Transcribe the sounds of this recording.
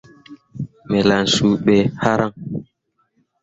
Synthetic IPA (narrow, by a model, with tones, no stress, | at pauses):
mɛ˨la˨n̩˨su˨ɓɛ˨ha˦ɾa˦ŋ